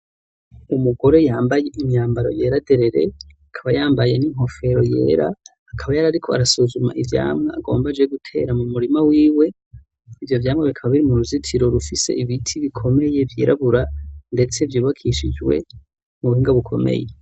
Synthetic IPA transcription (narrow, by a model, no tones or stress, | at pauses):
umuɡo̞ɾe̞jaːmbaje̞ʔiɲɲaːmbaɾo̞̰jeːɾade̞ɾe̞ɾe̞̰akʰaβajaːmbaje̞niŋɦo̞fe̞ɾo̞je̞̰ːɾa̰ː | kʰaβajaɾaɾikʰo̞a̰ɾasuzuma̰ʔivja̰ːmŋea̰ɡo̞̰ːmbad͡ʒeɡutʰe̞̰ːɾamumuɾimawiːwe̞ | ivjo̞vjaːmŋeβikʰaβaβiɾimuɾuzitʰiɾo̞ɾufise̞̰iβitʰiβikʰo̞me̞je̞vjḛːɾaβuɾande̞t͡se̞vjuːβakʰiʃid͡ʒɡwe̞̰ | muβuhiːŋɡaβukʰo̞̰mḛje